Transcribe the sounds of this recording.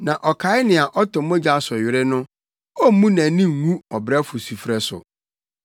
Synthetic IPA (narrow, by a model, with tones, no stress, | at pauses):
nã˨ʔɔ˨kʰa˨˦ɪ˦nɪ̃˨a˨ʔɔ˦tʊ̃˨mõ˦d͡ʑa˦˨sʊ˨ɥɪ˨ɾɪ˦nʊ̃˦ | ɔ˦m̩˦mũ˦nã˨˦nĩ˦ŋ̩˨ŋũ˦ɔ˨bɾɛ˦fʊ˨su˨fɾɛ˨sʊ̰˨